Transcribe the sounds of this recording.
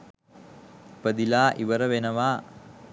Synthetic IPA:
pəd̪ilaːʔiʋəɾəʋenəʋaː

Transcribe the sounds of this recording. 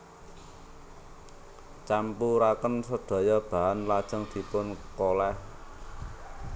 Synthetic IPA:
t͡ʃampuɾakənsəɖ̪̥ɔ̤jɔb̥a̤anlad̥ʒ̥ə̤ŋd̪̥i̤pʊnkolɛh

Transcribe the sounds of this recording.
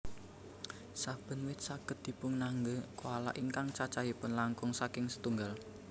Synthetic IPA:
sab̥ə̤nwɪt̪̚saɡ̥ət̪̚d̪̥i̤pʊŋnaŋɡəkoala̰ʔiŋkaŋt͡ʃat͡ʃajipʊnlaŋkʊŋsakɪŋsə̥t̪uŋɡal

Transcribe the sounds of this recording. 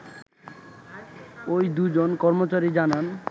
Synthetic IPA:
ojd̪ud͡ʑonkɔɾmot͡ɕaɾid͡ʑanan

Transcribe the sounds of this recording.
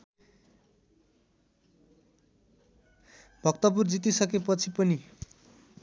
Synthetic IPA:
bʱʌkt̪ʌp̬urd͡zit̪isʌkepʌt͡sʰipʌni

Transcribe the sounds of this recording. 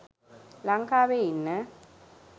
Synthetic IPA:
laŋkʰaβeinːɛ

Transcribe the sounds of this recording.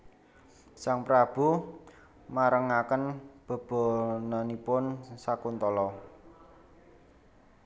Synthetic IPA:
saŋpɾab̥ṳ | maɾəŋakənb̥ə̤b̥ɔ̤nanipʊnsakunt̪ɔlɔ

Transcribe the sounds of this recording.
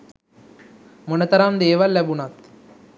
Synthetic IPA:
mʊnɐt̪ɐɾaːmd̪eːʋalɐbunaːt̪

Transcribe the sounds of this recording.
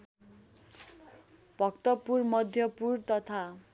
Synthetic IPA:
b̥ʱʌkt̪ʌpurmʌd̪ʱjʌpurt̪ʌt̪ʰa

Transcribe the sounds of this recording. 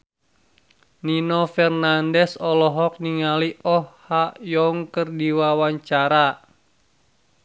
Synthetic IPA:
ninɔfɛrnandɛsɔlɔɦɔk̚niŋaliʔɔhhajɔŋkərdiwawaɲt͡ʃaɾa

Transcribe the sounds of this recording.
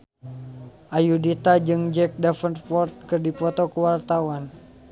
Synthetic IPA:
ʔajudit̪ad͡ʒɨŋd͡ʒɛk̚dafəntfɔrt̪̚kɨrdipɔt̪ɔkəwart̪awan

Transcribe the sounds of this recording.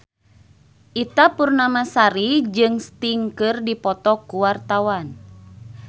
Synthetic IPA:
ʔit̪apurnamasaɾid͡ʒɨŋst̪iŋkɨrdipɔt̪ɔkuwart̪awan

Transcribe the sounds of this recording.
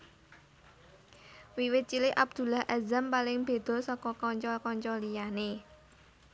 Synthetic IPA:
wiwɪt̪̚t͡ʃilɪʔab̚d̪̥ṳlaɦʔazampalɪŋb̥e̤d̪̥ɔ̤sɔkɔkɔɲt͡ʃɔlkɔɲt͡ʃɔlijane

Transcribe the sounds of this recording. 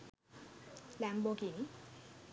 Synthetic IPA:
lɛmbokini

